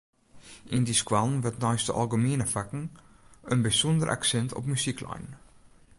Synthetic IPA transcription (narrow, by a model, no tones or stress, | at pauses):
ʔindiskwalˠnʋətnɔjstəʔa̰lˠɡəmiənəfakŋ̩ | ənbisɔndərʔa̰ksɛntɔ̰pmysikʰlɔ̰jn